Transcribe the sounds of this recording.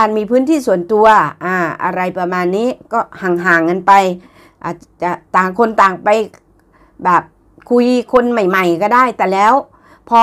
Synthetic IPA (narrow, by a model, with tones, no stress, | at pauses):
aː˧˩nmiː˧pʰɯː˦˥˨nt̪ʰiː˥˩su˨˩ənt̪u˧ɐʔaː˧˩ʔa̰˧ɾa˧jpa˧maː˧nːiː˦˥˨kɔː˥˩ha˨˩ŋɦaː˨˩˦ŋːɤ˧npa˧j | ʔaː˧˩t͡ɕa˧˩t̪aː˨˩ŋkʰo˧nt̪aː˨˩ŋpa˧j | bɛː˨˩p̚ | kʰu˧jkʰo˧nma˨˩jma˨˩jkɔː˧˩daː˥˩jt̪ɛː˨˩lɛː˦˥w | pʰɔ˧